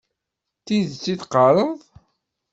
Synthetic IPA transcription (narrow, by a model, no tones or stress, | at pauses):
t̪iðt͡sːiθqɑɾˤəðˤ